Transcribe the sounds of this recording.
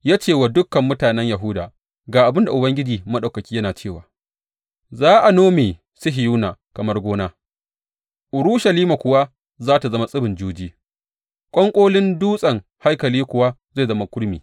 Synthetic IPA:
jaː˦t͡ʃeː˦˨wa˨dʊ˦kːɐ˨mːʊ˦taː˨nɛ˦ɲja˨ɦʊ˦daː˨ | ɡaː˨ʔa˨bɪ˦nda˨ʔʊ˨bɐ˦ŋɡʲɪ˦d͡ʒiː˨mɐ˦ɗa˨kɐ˨kʲiː˦jɐ˦naː˨t͡ʃeː˦˨waː˨ | zaː˦ʔa˨noː˦meː˨ | sʊ˦ɦɪ˨juː˦naː˨kɐ˨mɐ˦rɡʷoː˦naː˦ | ʔʊ˨ɾʊ˦ʃɐ˨liː˦ma˨kʷʊ˨wa˦ | zaː˦ta˨zɐ˦ma˦sʼɪ˦bɪ˨nd͡ʒuː˦d͡ʒiː˦ | kʷʼɔ˦ŋkʷʼoː˦lɪ˦nduː˦sʼɐ˨ŋha˦jkɐ˨liː˦kʷʊ˨wa˦ze˦˨zɐ˦ma˦kʷʊ˦ɽmḭː˨

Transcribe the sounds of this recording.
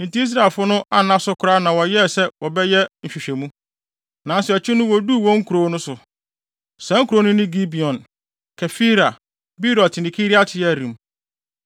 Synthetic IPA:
n̩˨ti˦i˦s̬ɾa˨lfʊ˦nʊ̃˦ʔa˦nã˦sʊ˦kʰʊ˨ɾa˦nã˨wɔ˨jɛ˦˨sɛ˦wɔ˨bɛ˦jɛ˦m̩˨ɕᶣi˨ɕᶣɛ˨mũ˦ | nã˨n˦sɛ˨ɔ˨t͡ɕʰɪ˦nʊ̃˦wɔ˨du˦˨wɔ̃˦ŋ̩˦kʰu˨ɾoː˨˦nʊ̃˦sʊ˨ | sɛ̃˦ŋ̩ku˨ɾo˨˦nʊ̃˦nɪ̃˦ɡi˦bi˨ɔ̃˨n | kʰɛ˨fi˦ɾa˨ | bi˦ɾɔ˨tnɪ̃˨kʰi˦ɾi˦a˦tʰɪ˨jɛ˦˨ɾĩ˨m

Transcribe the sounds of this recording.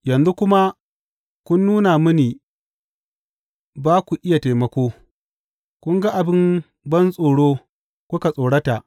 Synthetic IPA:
jɐ˨nzu˦kʷʊ˦ma˦ | kʷʊ˦nːuː˦na˨mʊ˦niː˨ | baː˦kʷu˨ʔɪ˦ja˨teː˨mɐ˦kʷoː˦ | kʷʊ˦ŋɡa˦ʔa˨bɪ˦m | bɐ˦nsʼoː˨ɽoː˦ | kʷʊ˦ka˨sʼoː˨ɽɐ˦ta˨ʔ

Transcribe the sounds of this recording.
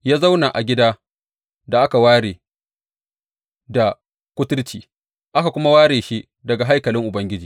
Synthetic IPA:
jaː˦za˦wna˨ʔa˨ɡʲɪ˦daː˦ | da˨ʔa˦ka˨waː˦ɽeː˨ | da˨ | kʷʊ˦tʊ˦ɾt͡ʃiː˨ | ʔa˦ka˨kʷʊ˦ma˦waː˦ɽeː˨ʃi˦ | dɐ˨ɡa˨ɦa˦jkɐ˨lɪ˦ŋʔʊ˨bɐ˦ŋɡʲɪ˦d͡ʒiː˨

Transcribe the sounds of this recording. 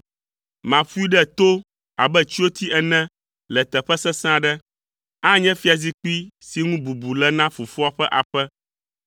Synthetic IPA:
mã˨ɸu˦i˦ɖɛ˦t̪o˦ | a˨bɛ˦t͡ʃi˦o˦t̪ʰi˦ʔɛ˨nɛ̃˦ | lɛ˨t̪ɛ˨ɸɛ˦sɛ˦sã˦ɖɛ˦ | a˦ɲɛ̃˦fi˦a˨zi˦k͡pi˦si˨ŋũ˦bu˨bu˨lɛ˦nã˦fu˨fu˦a˦ɸɛ˦ʔa˨ɸɛ˦

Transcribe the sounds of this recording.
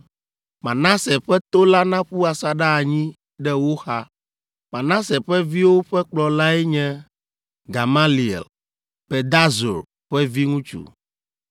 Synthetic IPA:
mã˨nã˦sɛ˨ɸɛ˦t̪o˦la˦nã˦ɸu˦a˨sa˨ɖa˦a˨ɲĩ˦ | ɖɛ˦wo˦xa˦ | mã˨nã˦sɛ˨ɸɛ˦vi˦wo˦ɸɛ˦k͡plɔ˨la˦ɛ˦ɲɛ̃˦ | ɡa˨ma˦li˨ḛ˨l | pe˨d̪a˦zo̰˨ɾ | ɸɛ˦vi˦ŋũ˦t͡ʃṵ˨

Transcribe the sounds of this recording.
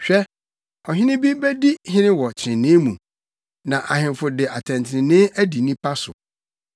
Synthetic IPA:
ɕᶣɛ˦ | ɔ˨ɦɪ̃˦nɪ̃˦bi˦bæ˦di˦hɪ̃˦nɪ̃˦wɔ˨t͡ɕʰɪ̃˨nnɪ̃˦mũ˨ | nã˨ʔa˨ɦɪ̃˨mfʊ˨dɪ˨a˨tʰɛ̃˨ntʰɪ˨nɪ̃˨nɪ̃˦æ˦di˨nĩ˦pʰa˦sʊ̰˨

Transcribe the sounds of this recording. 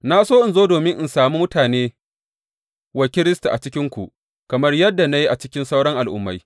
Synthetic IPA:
na˦soː˦ʔɪ˨nzoː˦doː˨mɪ˦ŋʔɪ˨nsaː˨muː˦mʊ˦taː˨neː˦ | wɐ˨kʲɪ˦ɾɪ˦sta˨ʔa̰˨t͡ʃɪ˦kʲɪ˦ŋkʷu˨ʔ | kɐ˨mɐ˦rjɐ˦dːa˨na˦ji˦ʔa˨t͡ʃɪ˦kʲɪ˦nsa˦wɽɐ˦ŋʔa˨lʔʊ̰˦mːa˦j

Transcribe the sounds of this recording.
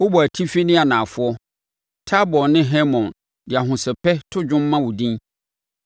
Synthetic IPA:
wʊ˦bɔ˨æ˨tʰi˦fe˦nĩ˦a˨nã˨fʊ˦ɔ˦ | tʰa˦bɔ˨nɪ̃˦ɦɛ˦mɔ̃˨n | dɪ˨a˨ɦʊ̃˨sɛ˨pʰɛ˦tʰʊ˦d͡ʑᶣʊ̃˦mː˦ã˦wʊ˨dĩ˦

